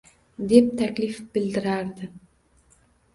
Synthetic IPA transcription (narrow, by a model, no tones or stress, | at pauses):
d̪ep̚t̪ʰakʲlifbɪld̪ɪɾaɾd̪ɪ